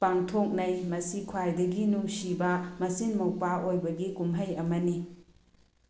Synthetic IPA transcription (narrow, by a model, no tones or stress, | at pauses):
paŋtʰok̚nɐjmɐsikʰwajdɐɡinusibɐmɐsinmɐwpaʔojbɐɡikumɦɐjɐmɐni